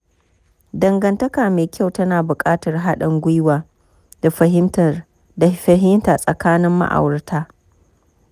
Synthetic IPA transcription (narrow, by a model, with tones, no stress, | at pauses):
dɐ˨ŋɡɐ˨ntɐ˦kaː˨meː˨kʲa˦wtɐ˦naː˨bʊ˨kʼaː˦tɐ˨rɦa˦ɗɐ˨ŋɡʷʊ˦jwaː˨ | d̥a˨ɸɐ˨ɦɪ˦mtɐ˨r | da˨ɸɐ˨ɦɪ˦mtaː˨sʼɐ˨kaː˦nɪ˦mːa̰˦ʔa̰˨wɐ˨rtʰaː˦